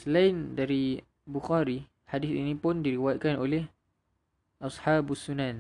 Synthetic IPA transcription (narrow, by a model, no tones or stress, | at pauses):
səlaindaɾi | buxaɾi | hadɪsḭnĩpʊndiɾiwajat̪̚kanolɛh | ʔashabasunan